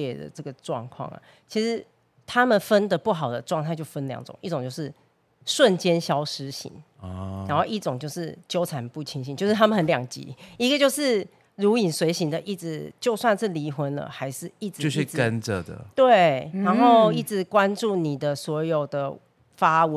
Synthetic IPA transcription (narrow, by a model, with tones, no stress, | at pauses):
ɛ˥˩d̪ə̰˩ʈ͡ʂɤ˥˩ɡə˩ʈ͡ʂwɑ̰˥˨˧ŋkʰwɑ̰˥˩ŋə̰˩ | t͡ɕʰi˧˥ʂɻ̩˧˦ | t̪ʰa˥mə˨nfə˦nd̪ə˨pu˥˩xɑ˨˩ʊd̪ə˦ʈ͡ʂwŋt̪ʰa˥˧t͡ɕjo˥˩ʊfə˦nljɑ̰˨˦ŋʈ͡ʂʊ̰˨˩ŋʔi˥˩ʈ͡ʂo˨˩ŋt͡ɕjo˥˧ʊʂɻ̩˥˩ | ʂwə˥˨nt͡ɕjɛ˥nɕjɑ˥ʊʂɻ̩˥ɕḭ˧˦ŋ | a˧˦nxo˥˧ʊi˥˩ʈ͡ʂo˨˩ŋt͡ɕjo˥˧ʊʂɻ̩˥˩t͡ɕjo˥ʊt͡sʰa˨˩npu˥˩t͡ɕʰi˧˥ŋɕi˧˦t͡ɕo˥˧ʊʂɻ̩˥˩t̪ʰa˥mə˨nhə˨˦nljɑ˨˩ŋt͡ɕḭ˨˦i˧˥ɡə˨t͡ɕjo˥˧ʊʂɻ̩˥˩ | ɻu˨˥i˨˩swe˧˥ɪɕi˧˥nd̪ə˨ʔi˥˩t͡sɻ̩˨˩t͡ɕjo˥˧ʊswa˥˧nʂɻ̩˥˩li˧˥xwə˧˥nlə̰˨xa˧˥ɪʂɻ̩˥˧i˥˩ʈ͡ʂ̩˨o˥˧ʂi˥˨kə˦nʈ͡ʂə˨d̪ə̰˩t̪we˥˩ɪɻa˨˧˦nxo˥˧ʊi˥˩t͡sɻ̩˨˩kwa˦nʈ͡ʂu˥˩ni˨˩d̪ə˨swɔ˧˥jo˨˩ʊd̪ə˦ | fa˥w